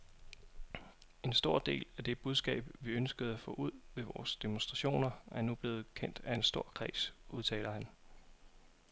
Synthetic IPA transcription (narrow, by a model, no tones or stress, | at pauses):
e̝nsd̥o̝ɐ̰d̥e̝̰ːlæd̥e̝b̥uð̞ˠsɡ̥ɛ̰ːb̥ʋiønsɡ̥əð̩ˠæfɔ̰̽ːuð̰ˠʋe̝ʋɒːsd̥e̝monsd̥ʁɑ̈ɕo̝̰ːnɐæɐnub̥le̝ːð̞̩ˠkʰen̰d̥æe̝nsd̥o̝ɐ̰kʰʁɛ̰ːsʔuð̞ˠt͡sʰɛ̰ːlɐhæn